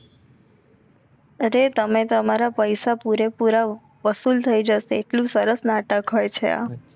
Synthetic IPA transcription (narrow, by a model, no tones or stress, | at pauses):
əɾet̪əmet̪əmaɾapəjsapuɾepuɾa | ʋəsult̪ʰəid͡ʒəseːʈlũsəɾəsnaʈəkɦɔjt͡ʃʰḛa̰